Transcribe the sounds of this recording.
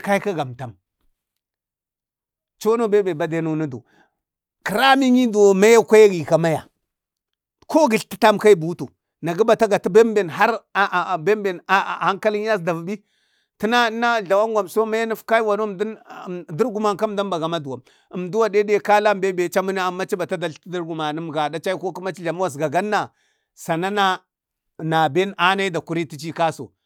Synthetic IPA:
ka˦i˦ka˦ɡa˨mta˨m | t͡ʃo˦no˦be˦be˨ba˨de˦nu˨˦nu˦do̰˨ | ki˨ɾa˦mi˦ɲi˦do˨ma˦ja˦kʷa˦ja˦ɡi˨ka˨ma˦ja̰˨ | ko˦ɡi˨ɬti˦ta˦mka˦i˦bu˨˦tu˨ | na˨ɡi˦ba˨ta˦ɡa˨ti˦be˦m˦be˨nɦa˦ɾbe˦mbe˨n˨ha˦ŋka˦li˦ɲ˦a˦sda˨vu˨bi˦ | ti˦na˦na˦ɮa˨wa˦ŋɡʷa˨mso˦ma˦ja˦ni˦fka˦i˦wa˨no˦mddi˦ɾɡu˨ma˨ŋka˦m˦da˦mba˨ɡa˨ma˦du˨wa˨m | ə˨mdu˦wa˨de˦de˦˨ka˦la˦mbe˦be˨t͡ʃa˦mu˦na˦a˨mːa˦t͡ʃi˦ba˨ta˦da˨ɬti˦di˦ɾɡu˨ma˨ni˦m˨ɡa˨da˦t͡ʃa˦i˦ko˦ki˦ma˦t͡ʃi˦ɮa˨mu˦wa˨s̬ɡa˨ɡa˦nːa˨ | sa˨na˦na˦ | na˨be˦nʔa˦na˦i˦da˨ku˦ɾi˦ti˦t͡ʃi˦ka˦so̰˨

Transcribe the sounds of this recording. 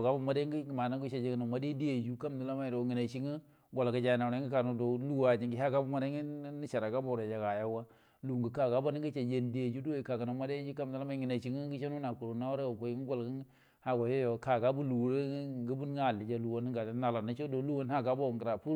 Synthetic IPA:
ɡa˦bu˦˨ma˦de˦ŋ˦i˦ɡi˨ma˨na˦ɡu˦t͡ʃa˨d͡ʒe˦ɡnu˨ma˦de˦di˦je˨d͡ʒu˦ka˦mni˨la˦ma˦˨ɾo˨ŋi˨na˨t͡ʃi˦ŋi˦ | ɡo˨lɡa˨d͡ʒa˨na˨ɾa˦ɡi˦ka˨nu˨do˨lu˦wa˨d͡ʒi˨ŋɡi˦ɦa˦ɡa˦bu˦ma˨ɾa˦ŋi˦ni˦t͡ʃa˨ɾa˨ɡa˦bo˨ɾe˨d͡ʒa˨ɡa˨ja˦wa˦ | lu˨ŋ˨ɡə˨ka˨ɡa˦ba˦ni˦ŋɡi˦t͡ʃa˨d͡ʒe˦n˨di˦je˨d͡ʒu˦do˦ji˨ka˨ka˨na˨ma˦de˦d͡ʒi˦ka˦mndi˨la˦ma˦ŋi˨na˨t͡ʃi˨˦ŋi˦ɡi˦t͡ʃe˦nu˦na˨ku˨ɾo˨na˦wɾe˦o˨ko˨˦ŋ˦ɡo˦lɡə˦ŋ˦ | ha˦ɡa˨jo˦jo˨ka˨ɡa˦bu˦lu˨˦ɾe˦ɡi˦bu˦n˦a˦˨li˨d͡ʒa˦lu˨wo˦n˦ɡa˨˦na˨la˨na˦t͡ʃo˦do˨˦lu˦wo˦n˦a˦ɡa˦bo˦˨ŋɡə˨ɾa˨pu˦

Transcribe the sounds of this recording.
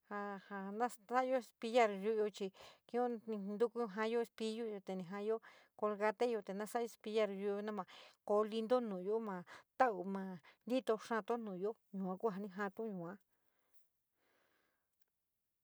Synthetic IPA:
ha˧ha˧nã˦sa˦jo˦e˧spi˧ja˧˨ɾju˦ʔjo˧t͡ʃi˧kĩ˧˦õ˦nĩ˧nd̪u˦˧ku˦ɦã˧jo˦˧spi˧ju˦jo˧t̪e˨˧nĩ˧˨ɦã˧jo˦ | ko˧lɣa˧t̪e˦jo˧t̪e˨nã˦sa˦o˧spi˧ja˧ɾju˧˦jo˧nã˦mã˨ko˧li˧nd̪o˦nũ˨ju˦mã˨t̪a˦ʔu˨mã˧nd̪i˦t̪o˧ʂã˧t̪o˦nũ˨jo˦ɲũ˨ã˧ku˦ɦa˧nĩ˧ɦã˧t̪ũ˦ɲũ˨ã˧˦

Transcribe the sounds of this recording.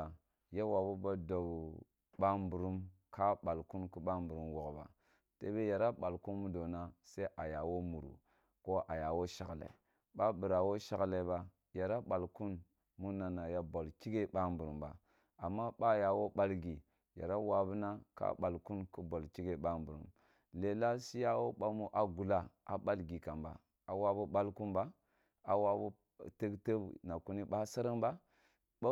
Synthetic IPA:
ja˦wa˨bu˦ba˦do˨b | ɓa˦mbu˨ɾu˦mkʰa˦ɓa˨lku˦nku˦ɓa˦mbu˨ɾu˦mwo˨kba̰˨ | tḛ˦be˦ja˨ɾa˦ɓa˨lku˦nmu˦do˨na˦se˦ʔa˨ja˨wo˦mu˨ɾṵ˨ | ko˦ʔa˨ja˨wo˦ʃa˨klḛ˨ | ɓa˦bu˨ɾa˨wo˦ʃa˦kle˨ba˦ | ja˨ɾa˦ɓa˨lku˦n | mu˦na˨na˨ja˦bo˨lki˦ɡe˦ɓa˦mbu˨ɾu˨mba̰˨ | a˨mːa˦ɓa˦ja˨wo˦ɓa˦lɡi˨ | ja̰˨ɾa˦wa˨bu˦na˦ka̰˦ɓa˨lku˦nku˦bo˨lki˦ɡe˨ɓa˦mbu˨ɾṵ˨m | le˨la˦si˦ja˦wo˦ɓa˦mu˦ʔa˨ɡu˨la˦a˨ɓa˦lɡi˨ka˨mba̰˨ | a˨wa˦bu˦ɓa˦lku˦nba˦ | a˨wa˦bu˦ | te˦kte˦bna˨ku˦ni˦ɓa˦sa˦ɾi˦ŋba˦ | a˦

